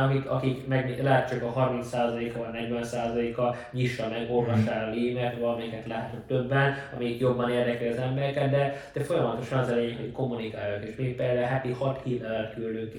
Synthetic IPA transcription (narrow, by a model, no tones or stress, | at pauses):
ɒkikɒ̰kikmɛɡmilɛɦɛt̪t͡ʃɒkɒɦɒrminsaːzɒleːkɒvɒɟnɛɟʋɛnsaːzɒleːkɒ | ɲiʃːɒmɛɡo̞rvɒʃaːɾɒliːmɛt̪vɒlɒmɛjikɛt̪lɛɦɛt̪yk̚t̪øbːɛnɒmɛjikjo̞bːɒneːrd̪ɛkɾiɒzɛmbɛɾɛkɛd̪d̪ɛd̪̥ɛfo̞jɒmɒt̪o̞ʃɒnɒzɛlɛjɲɛkho̞cko̞mːunikaːjokeːʃmiːkped̪ɛɦɛpihɒt̪hiːt̪ɛlɛt̪kylːøːki